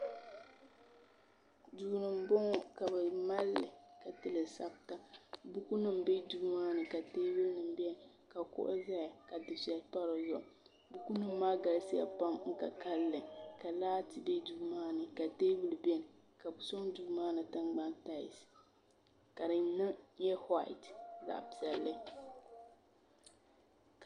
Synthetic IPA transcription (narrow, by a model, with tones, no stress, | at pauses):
du˨nɨ˨m˨˦bɔ˦ŋ˦ka˨bɨ˨ma˦lːɨ˨ka˨tɨ˦lɨ˨sa˦b̚ta˦bu˦ku˦nɨ˦mbe˦du˦maː˦nɨ˨ka˨teː˦bɨ˦lnɨ˨m˦bɛ˦n˨ | ka˨kʊ̰˦ʔʊ̰˦za˦ja˨ka˨dɨ˨sa˨˦pa˦ɾo˨zɔ˦˨ | bu˦ku˦nɨ˦mːaː˦ɡa˨lsi˦ja̰˨pa˦ŋŋ̩˦ka˨ka˦lːɨ˨ka˨laː˦tɨ˦bɛ˦du˦bmaː˦nɨ˨ka˨teː˦bɨ˦lbɛ˦n˨ | ka˨bsɔ˦ŋdu˦bmaː˦nɨ˨tɨ˦nɡ͡ba˦nta˦ḭ˨s | ka˨ɾɨ˨nɨ˦ɲɛ˦ha̰˦˨tza̰˨ʔbzɛ˨lːɨ˦